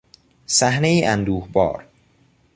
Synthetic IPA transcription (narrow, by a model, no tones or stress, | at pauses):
sæhnejiːʔænd̪uːhbɒ̰ːɾ